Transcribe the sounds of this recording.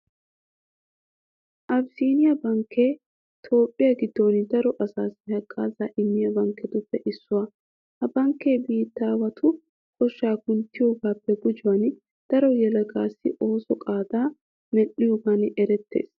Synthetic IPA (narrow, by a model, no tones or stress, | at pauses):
ʔɐbsiːnɪjɐbɐŋkʰːeː | t̪ʰo̞ːpʼːɪjɐɡɪd̪ːo̞ːnd̪ɐɾɔʔɐsaːsɪhɐkʼːaːzaːʔɪmːɪjɐbɐŋkːɛd̪ʊpːɛʔɪsːʊwɐ | hɐbɐŋkːeːbiːt̪ːaːwɐt̪ʰʊ | kʰɔʃːaːkʊnt̪ːɪjoːɡaːpːɛɡʊd͡ʒʊwɐn | d̪̥ɐɾɔjɛlɐɡaːsɪ̰ʔo̞ːsɔkʼaːd̪aː | mɛʔɪjoːɡaːnɛɾɛt̪ːe̞̰ːs